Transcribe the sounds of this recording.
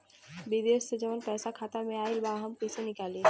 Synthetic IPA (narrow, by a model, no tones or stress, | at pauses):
bid̪eːʃsed͡ʒəʋənpɛːsakʰaːt̪amẽaːilbaɦəmkəsenɪkaːliː